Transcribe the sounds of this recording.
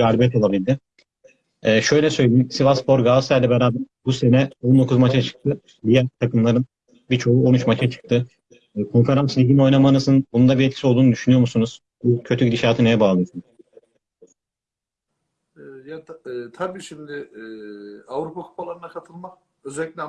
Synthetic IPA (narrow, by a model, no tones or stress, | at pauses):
ɡaːlʲibjɛt̪ʰo̞lˠabilʲd̪ɪ | ɛːʃø̞jlʲɛsøjlʲeimsivaspo̞ɾɡasæjd̪ʲɛbɛɾaːbæɾbuse̞nɛo̞nd̪o̞kʰuzmat͡ʃʰat͡ʃʰɯ̥k̚t̪ʰɯ | d̪ijæɾt̪ʰakɯmlˠaɾɯn | biɾt͡ʃʰo̞uo̞nut͡ʃmat͡ʃʰat͡ʃʰɯ̥k̚t̪ʰɯː | kʰo̞nfe̞ɾanslʲiɟino̞jnamanɯsɯnbunund̪abiɾɛt̪cʰi̥sio̞lˠd̪uːnud̪yʃynyjo̞ɾmusunuz̥ | bucʰøt̪ʰycd̪iʃaːt̪ʰɯnejɛbaːlˠɯsɯn | ɛjat̪ʰabiːʃimd̪ɪ | avɾupʰakʰopʰalˠaɾɯnakʰat̪ʰɯlˠmak | øzɛlʲːikʲlʲɛ